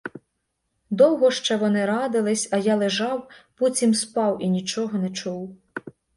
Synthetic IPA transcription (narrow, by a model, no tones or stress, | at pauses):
d̪ɔwɦɔʃt͡ʃɛʋɔnɪɾɑd̪ɪlˠɪsʲɐjɑlˠeʒɑwput͡sʲimspɑwinʲit͡ʃɔɦɔnɛt͡ʃuw